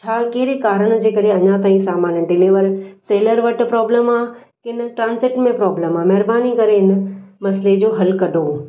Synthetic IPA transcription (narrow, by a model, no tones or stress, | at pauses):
t͡ɕʰaːkeɦɪɾekaːɾəɽ̃d͡ʑeːkɐɾeɐɲãt̪aːĩsaːmaːnəɖɪliːʋəɾseːləɾʋɐʈpɾɔːbləmaː | kɪn̆ʈɾãːnzɪʈmẽpɾɔːbləmaːmɐɦɾbaːnikɐɾeɪnəmɐsled͡ʑoːɦɐlkɐɖʱo